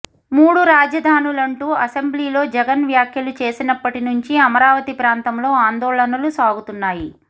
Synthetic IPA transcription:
muːɽuɾaːd͡ʒɐd̪ʱaːnulɐɳʈuːɐsembliːlo̞ːd͡ʒɛɡɐnʋjaːkʰjɐlut͡ʃe̞ːsinɐpːɐʈinuɲt͡ʃiɐmɐɾaːʋɐt̪ipɾaːnt̪ɐmlo̞ːaːnd̪ɔːɭɐnɐlusaːɡut̪unːaːji

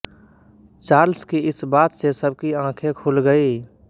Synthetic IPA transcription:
t͡ʃaːɾlskiɪsbaːt̪sesəb̚kiãːkʰẽkʰulɡəi

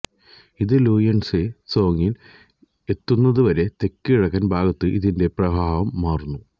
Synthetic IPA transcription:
iðɨluːjɐɳseso̞ːŋil | e̞t̪ːunːɐðɨʋɐɾe̞t̪e̞kːiɻɐkːɐnbʱaːɡɐt̪ːɨʔiðinde̞prɐbʱaːʋɐmːaːrnːu

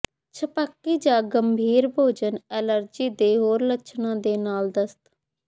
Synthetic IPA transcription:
t͡ʃʰəpəkːiːd͡ʒaːɡəmbʱiːɾbʱoːd͡ʒənɛːləɾd͡ʒiːd̪eːɦoːɾlətːʃʰnãːd̪eːnaːld̪əst̪

